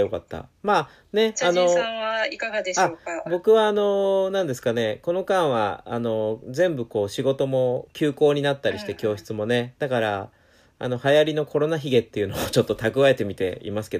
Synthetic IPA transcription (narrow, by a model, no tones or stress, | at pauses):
jo̞kat̪ːa̰maː | neano̞ãβaikaɡad̪eɕaoːabo̞kɯ̟βaːno̞nãnd̪e̞sɨ̥kane̞ko̞no̞kãɰ̃βa̰ːno̞d͡zẽ̞mbɯ̟ko̞ːɕiɡo̞t̪o̞mo̞kʲɨːko̞ːɲ̟inat̪ːaɾʲiɕi̥t̪e̞kʲo̞ːɕi̥t͡sɨmo̞ne̞d̪̥akaɾa | a̰no̞hajaɾʲino̞kʰo̞ɾo̞naçiɡe̞t̪ːe̞jɯ̟no̞ot͡ɕo̞t̪ːo̞t̪akɯ̟βae̞t̪e̞mʲit̪e̞̰ḭmasɨ̥ke̞d̪